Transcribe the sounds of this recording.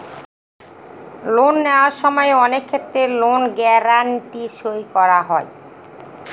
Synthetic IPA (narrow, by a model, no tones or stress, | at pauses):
lonːewaɾʃɔmɔeɔnekʰːet̪ːɾelonɡɛɾaɳʈiʃojkɔɾaɦɔe